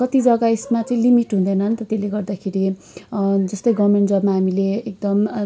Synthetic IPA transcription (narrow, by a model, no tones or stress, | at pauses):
kʌt̪id͡zʌɡaesmat͡sʌĩlimiʈɦũnd̪ʌjnʌɦnt̪ʌt̪eleɡʌrd̪akʰeɾi | d͡zʌst̪ʌjɡʌmeɳʈd͡zʌbmaɦamileek̚d̪ʌm